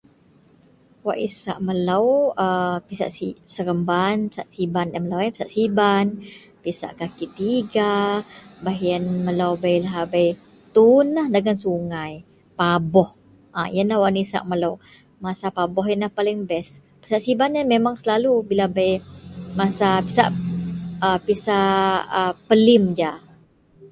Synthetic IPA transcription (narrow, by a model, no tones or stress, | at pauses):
waʔisa̰ʔməlawəpisa̰ʔsisəɾəmbanpi̥saʔsibandaməlawanpi̥saʔsiban | pisa̰ʔkakit̪iɡa | baɦiənməlawbajlaɦbaj | t̪unːahdəɡansuŋaj | pabɔh | ʔa̰jənahwaʔnisa̰ʔməlaw | masapabɔɦjənahpalɪŋbɛs | pi̥saʔsibanamemaŋsəlalubilabajmasapisa̰ʔ | əpisaʔəpəlɪmd͡ʒa